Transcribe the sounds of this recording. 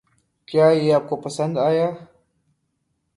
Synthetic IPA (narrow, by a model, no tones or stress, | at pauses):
kʰʲʼajejap̚kʷʰʼapʰasantʼaja